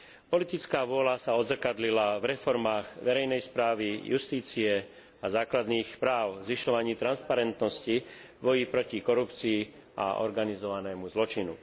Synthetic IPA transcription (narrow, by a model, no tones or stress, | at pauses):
pɔlit̪it͡skaːʋʊɔlasaɔd̪zrkad̪lilavɾɛfɔɾmaːɣʋɛɾɛjnɛjspɾaːʋijust̪iːt͡siɛ | azaːklad̪niːxpɾaːʊzʋiʃɔʋaɲiːt̪ɾanspaɾɛnt̪nɔsci | bɔjipɾɔcikɔɾupt͡siː | ʔa̰ʔɔ̰ɾɡanizɔʋanɛːmuzlɔt͡ʃinṵ